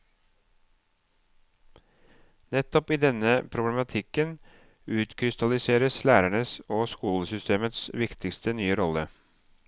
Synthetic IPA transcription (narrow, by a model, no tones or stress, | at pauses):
nɛt̪ːɔpiːd̪ɛnəpʰɾʊblɛmɑt̪ʰɪkən | ʉːt̪kʰɾɪst̪ɑlɪseːɾəslæːɾæɳəsoːskuːləsʏst̪eːmət̪sʋɪkt̪ɪkst̪ənyːəɾɔlə